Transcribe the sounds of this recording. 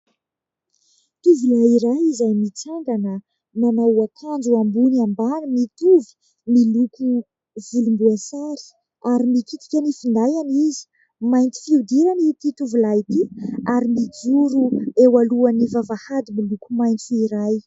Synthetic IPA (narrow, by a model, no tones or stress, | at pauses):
t̪uvulajiɾajizajmit͡saɳɖ͡ʐanə | nanauakʰand͡ʒuambuniambanimit̪uvi̥ | miluku | vulumbuasaɾi̥ | aɾimikit̪i̥kʲanifind̪ajanizi̥ | majnt̪i̥fiud̪iɾanit̪it̪uvulajit̪iaɾimid͡zuɾuewaluanivavahad̪imilukumajnt̪uiɾaj